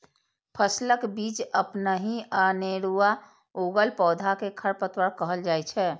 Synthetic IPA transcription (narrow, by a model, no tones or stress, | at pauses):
pʰəsləkbit͡ʃəpnəɦiʔaneɾua | oɡəlpɔːd̪ʱakekʰəɾpət̪wəɾkəɦəld͡ʒajt͡ʃʰɛ